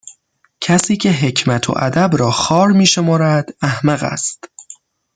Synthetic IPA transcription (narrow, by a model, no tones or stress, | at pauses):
cʰæsiːcʰe̞ɦe̞cʰmæt̪ʰo̞̰ʔæd̪æbɾɒːxɒːɾmiːʃe̞mɒːɾæd̪̥æhmæɣæ̰st̪